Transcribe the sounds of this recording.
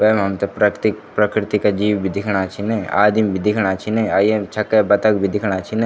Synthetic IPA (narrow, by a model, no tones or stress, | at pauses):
ʋɐmɦɐmt̪epɾɐkt̪ik̚pɾɐkɾɪt̪ikad͡ʒiːwbʱid̪ɪkʰɽ̃at͡ʃʰinea̰ːd̪imbʱid̪ɪkʰɽ̃at͡ʃʰineaːjemt͡ʃʰɐkebɐt̪ək̚bʱid̪ɪkʰɽ̃at͡ʃʰinẽ